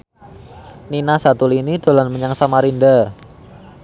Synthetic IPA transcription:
ninasat̪ulinid̪̥o̤lanməɲaŋsamaɾinda

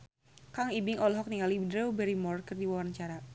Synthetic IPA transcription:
kaŋibɪŋʔɔlɦɔk̚niŋalidɾɛwbɛɾimɔrkərdiwawarnət͡ʃaɾa

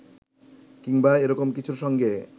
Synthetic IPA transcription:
kiŋbaeɾɔkomkit͡ɕʰuɾʃɔŋɡe

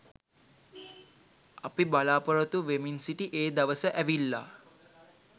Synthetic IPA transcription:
apibalaːpəɾət̪uʋeminsiʈiʔeːd̪aʋəsəʔæʋilːa

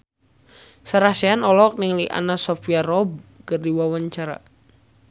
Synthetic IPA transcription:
saɾasɛanɔlɔk̚niŋliʔa̰nasɔfiaɾɔb̚kərdiwawaɲt͡ʃaɾa̰

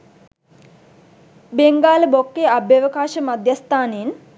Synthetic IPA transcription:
beŋɡaːləbokːeabjaʋəkaːʃəmad̪jast̪aːnen

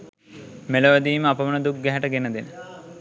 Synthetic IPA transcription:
meləʋəd̪iːməapəʋənəd̪uk̚ɡæɦæʈəɡenəd̪enə

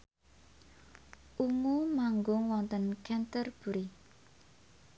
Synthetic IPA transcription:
ʔuŋumaŋɡʊŋwɔnt̪ənkɛnt̪ərb̥uɾi

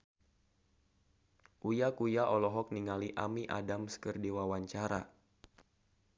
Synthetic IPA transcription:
ʔujakujaʔɔlɔɦɔk̚niŋaliʔa̰miʔa̰damsə̥kərdiwawaɲt͡ʃaɾa̰

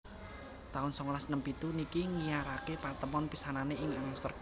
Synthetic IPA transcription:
t̪aʊnsɔŋolahsənəmpit̪unikiŋijaɾakepat̪əmɔnpisananeʔɪŋanust̪ər

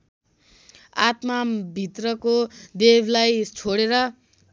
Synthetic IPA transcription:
a̰t̪mabʱit̪rʌkod̪ebʱlajt͡sʰoɽeɾʌ

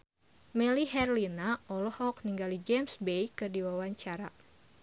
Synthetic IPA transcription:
mɛliɦɛrlinaʔɔlɔhɔk̚niŋɡalid͡ʒemsbejkɨrdiwawaɲt͡ʃaɾa

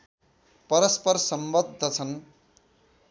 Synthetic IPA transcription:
pʌɾʌspʌrsʌmbʌd̪ʱːʌt͡sʰʌn

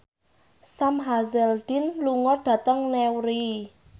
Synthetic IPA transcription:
samɦazɛld̪̥inluŋɔd̥ä̤t̪əŋnɛwɾi

